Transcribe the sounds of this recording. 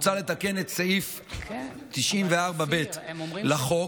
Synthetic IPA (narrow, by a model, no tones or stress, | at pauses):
t͡sale̞t̪ake̞net̪saif | t̪iʃimveaʁbabe̞t̪laχo̞